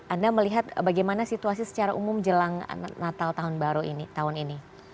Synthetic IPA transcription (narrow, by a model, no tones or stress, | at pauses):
andaməliɦat̪̚baɡajmanasit̪uas̬isə̥t͡ʃaɾaʔumʊmd͡ʒəlaŋnat̪alt̪aɦʊnbaɾuḭnit̪aɦʊnini